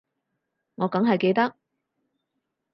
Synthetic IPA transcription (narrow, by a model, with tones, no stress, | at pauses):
ŋɔː˨˧kɐ˨˥ŋɦɐ˨jke˧jt̪ɐ˥k̚